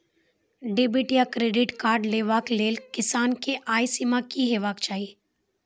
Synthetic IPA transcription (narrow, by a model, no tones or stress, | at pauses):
ɖebɪʈjakɾeːɖɪʈkaːɾɖleːʋaːkleːlkɪsaːnkeʔaːjsimakiɦeːʋaːkt͡ʃaːiː